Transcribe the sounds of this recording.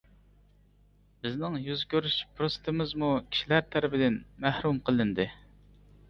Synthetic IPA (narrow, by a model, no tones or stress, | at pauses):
bɪznɪŋjyzkʲøɾyʃpʰɾost̪ʰɪmɪzmukʲʰi̥ʃilæɾt̪ʰæɾɪpɪd̪ɪnmæhɾumqʰəlˠɪnd̪ɨ